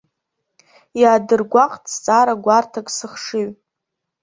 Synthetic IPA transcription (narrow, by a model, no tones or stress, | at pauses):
jaːdɨrɡʷaqʼt͡sʼt͡sʼaɾaɡʷartʰakʼsɨχʂɨɥ